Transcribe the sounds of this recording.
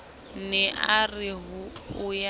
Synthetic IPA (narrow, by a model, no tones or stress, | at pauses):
nɛʔarɪɦʊʊja